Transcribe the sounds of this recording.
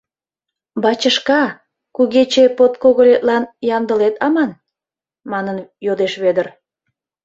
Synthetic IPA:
bɑt͡ɕəʃkɑ | kuɣet͡ɕepot̪koɣəlet̪̚lɑnjɑnd̪əlet̪ɑmɑn | mɑnənjod̪eʃβed̪ər

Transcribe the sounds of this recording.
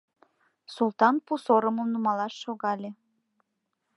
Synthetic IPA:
sult̪ɑnpusoɾəməmnumɑlɑʃːoɣɑlʲe

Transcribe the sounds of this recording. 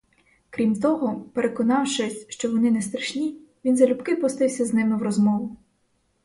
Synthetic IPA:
kɾʲimt̪ɔɦɔpeɾekɔnɑwʃɛsʲʃt͡ʃɔʋɔnɪnɛst̪ɾɐʃnʲi | ʋʲinzɐlʲubkɪpɔst̪ɪwsʲɐznɪmɪwrɔzmɔʋʊ

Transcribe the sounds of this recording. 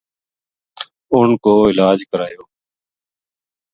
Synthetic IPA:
ʊnkoːɪlaːd͡ʒkəɾaːjoː

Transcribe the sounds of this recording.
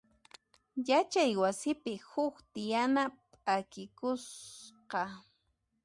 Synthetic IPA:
jat͡ʃajwasɪpɪhʊkt̪ɪjanapʼakɪkʊsqɑ

